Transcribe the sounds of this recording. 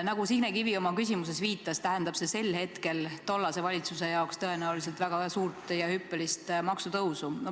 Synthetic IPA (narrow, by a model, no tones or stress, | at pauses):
nɑɡ̥usiɡnekivio̞mɑkysʲimuse̞sviːt̪ːˑɑst̪æɦend̪ɑb̥se̞se̞lhe̞t̪ke̞lt̪o̞lːɑse̞vɑlʲit̪suse̞jɑokst̪ɤenæulis̬e̞lt̪væɡ̥ɑsuːrt̪ˑjɑhypːelist̪mɑksut̪ɤwsun